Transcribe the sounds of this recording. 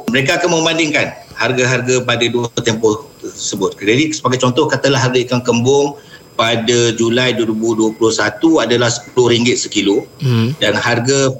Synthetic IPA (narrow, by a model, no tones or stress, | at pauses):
məɾekaːkanmə̃mbandɪŋkanharɡaɦarɡapadaduət̪ɛmpɔht̪əəsəbʊt̪̚kd͡ʒadisəbaɡajt͡ʃɔnt̪ɔhkat̪alaɦarɡaikaŋkəmbʊŋpadad͡ʒulajduwəɾibuhduəpulʊhsat̪uadalahsə̥plʊhɾiŋɡɪt̪̚səkiludanharɡa